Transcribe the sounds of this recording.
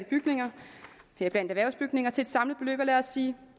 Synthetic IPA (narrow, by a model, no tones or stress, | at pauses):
b̥yɡ̥ne̝ŋɐheɐb̥læn̰d̥æʋæɐʊsb̥yɡ̥ne̝ŋɐt͡sʰe̝led̥sɑ̈mlð̩ˠb̥e̝lø̰ːb̥ɐlæɐɐsiː